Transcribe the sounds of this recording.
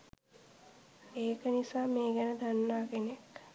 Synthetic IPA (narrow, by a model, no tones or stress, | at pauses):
eːkənisaːmeːɡɛnəd̪anːaːkenek